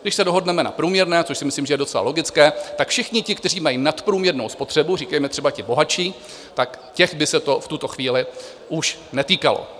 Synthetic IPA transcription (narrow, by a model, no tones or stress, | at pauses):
ɡdɪʃsɛdo̞ɦo̞dnɛmɛna̰pɾuːmɲɛɾnɛːt͡soʃsɪmɪslimʒɛjɛdo̞t͡sɛla̰lo̞ɡɪt͡skɛːt̪akfʃɪxɲɪcɪkt̪ɛriːmajinat̪pɾuːmɲɛɾno̞̰wspo̞t̪r̥ɛburiːkɛjmɛt̪r̝̥ɛbacɪbo̞ɦat͡ʃiː | t̪akcɛxbɪsɛt̪o̞ft̪ut̪o̞xviːlɪ | ʔuʃnɛt̪iːkalo̰